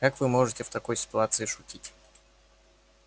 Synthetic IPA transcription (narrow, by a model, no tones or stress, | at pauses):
kakvɨmo̞ʐɨtʲɪft̪ɐko̞jsʲɪ̥t̪ʊat̪sɨɪʂʊtʲitʲ